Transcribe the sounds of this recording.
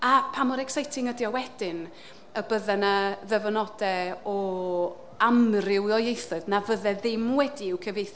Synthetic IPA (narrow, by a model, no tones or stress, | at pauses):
apʰamɔɾɛksajtʰɪŋədjɔwɛd̥ɪn | əbəðɛnəðəvənɔdɛɔ | amrɪwɔjejθʊɨðnavəðɛðɪmwɛdiɪwkʰəvejθ